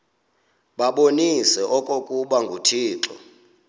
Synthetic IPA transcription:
ɓaɓonisɛʔɔkʼokʼuɓaŋɡʱutʰiːǁɔ̰

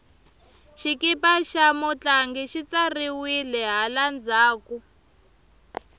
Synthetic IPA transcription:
ʃikipaʃamɔt͡ɬaŋɡɛʃit͡sariwilɛɦaland͡zaːku

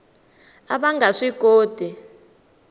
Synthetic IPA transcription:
aɓaŋɡaʂiɡ̥ʱoːd̥ʱi

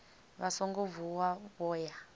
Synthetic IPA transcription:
βasɔŋɡovuwaβɔːja

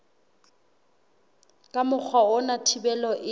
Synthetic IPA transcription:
kʼamʊk͡xʰwaʊnatʰibɛlɔʔɪ

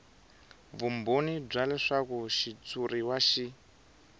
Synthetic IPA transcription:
vumbonib͡ʐalɛʂakuʃit͡suɾiwaʃi

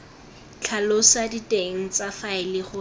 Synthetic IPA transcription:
t͡ɬʰalosaditʼeŋ̩t͡safaɪlɪχʊ

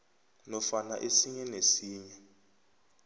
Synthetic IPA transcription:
nɔfanaʔesiɲɛnesiːɲɛ

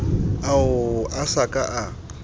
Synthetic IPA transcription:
aʊasakʼaʔa

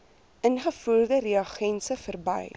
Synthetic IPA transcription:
ʔənχəfuːrdəɾiɐχɛnsəfərbɐ̰j

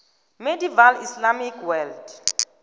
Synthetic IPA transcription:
mediivalislamikʰwɛld̥

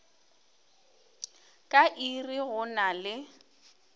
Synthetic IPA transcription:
kʼaʔiriɣʊnalɪ

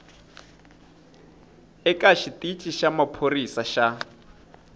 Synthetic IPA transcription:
ɛkʼaʃitʼit͡ʃʼiʃamapʰorisaʃa

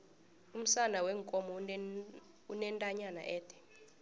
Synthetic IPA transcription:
um̩sanawɛŋkʼɔmɔ | unɛntʼaɲana̰ʔɛːtʰɛ̥

